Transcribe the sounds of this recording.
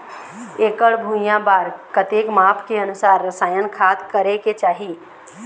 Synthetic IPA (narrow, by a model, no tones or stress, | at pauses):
eːkəɽbʱujãbaːɾkət̪eːkmaːpʰkeɐnʊsaːɾːɐsaːjənkʰaːt̪kəɾeket͡ʃaːɦi